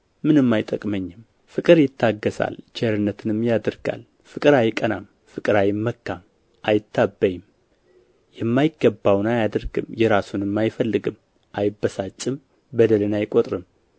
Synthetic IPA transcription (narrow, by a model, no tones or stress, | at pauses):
mɨnɨmːajt̪ʼəkʼməɲːɪm | fɨkʼɨɾjɪt̪ʰːaɡːəsa̰lt͡ʃeɾɨnːət̪ʰɨnɨmjad̪ɨɾɡa̰l | fɨkʼɨɾajɪkʼənam | fɨkʼɨɾajɪmːəkːam | ʔajɪt̪ʰːabːəjɪm | jɛmːajɪɡːəbːawnajad̪ɨɾɡɨ̰mjɛɾasunɨmːajfəlːɨɡɨm | ʔajbːəsat͡ʃʼːɨm | bəd̪əlɨnajkʼot̪ʼɾɨm